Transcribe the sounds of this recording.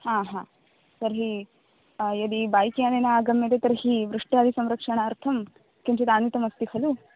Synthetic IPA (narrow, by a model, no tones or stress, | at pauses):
hãːɦãː | sɐɾɦi | jɐd̪ibaːjkjaːnenɐaːɡɐmjeʈ̪et̪ɐɾɐɦiʋɾuʂʈaːd̪isɐmɾɐkʂɐɳɐːɾt̪ʰɐm | kent͡ʃɐd̪aːnit̪ɐmɐst̪ihɐlu